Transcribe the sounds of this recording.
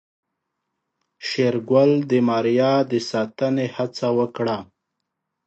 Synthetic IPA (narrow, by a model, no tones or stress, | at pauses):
ʃeɾɡwald̪əmɑɾjɑd̪əsɑt̪ənehat͡sawəkɽa